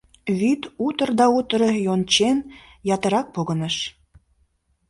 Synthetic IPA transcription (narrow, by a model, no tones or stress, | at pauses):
βyt̪ut̪ərd̪ɑut̪əɾɤjont͡ɕen | jɑt̪ə̆ɾɑk̚poɣənəʃ